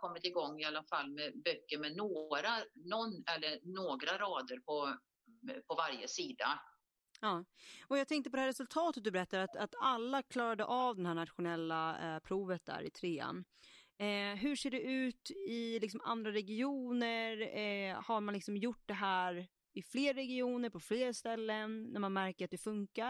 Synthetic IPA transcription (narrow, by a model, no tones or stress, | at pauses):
kʰɔmːɪt̪ɪɡɔŋːɪalːafalːmɛbœkːəɾmɛnoːɾanɔnːɛlːəɾnoːɡɾaɾɑːd̪əɾpʰɔ | pʰɔvaɾjəsiːd̪a̰ | ɑːɔjɑɡt̪ʰɛŋkt̪əpɔd̪ɛhæɾɛsɵlt̪ʰɑːt̪ət̪̚d̪ɵbɛɾɛt̪ːad̪at̪at̪alːakʰlɑːɾad̪əʔaːvd̪ɛnhæːɳat̪ɧʊnɛlːapʰɾuːvət̪̚d̪æ̰ːɾɪ̰t̪ʰɾeːa̰n | ɦɵʂeːɖɛʔʉ̟ːt̪ɪlɪksɔma̰nd̪ɾaɾɛɡɪuːnəɾhaɾmanlɪksɔmjʊʈ̚ːd̪ɛɦæːɾ | ɪfleːɾːɛɡɪuːnəɾpʰɔfleːɾst̪ɛlːənːæɾmanmæɾkəɾat̪̚d̪ɛfɵŋka